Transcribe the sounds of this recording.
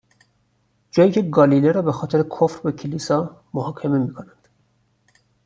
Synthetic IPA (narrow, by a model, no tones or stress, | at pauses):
d͡ʒɒːjiːcʰe̞ɡɒlileɾɒːbexɒːt̪ʰeɾekʰofɾbecʰilisɒːmohɒːkʰememiːkʰonænd̪̥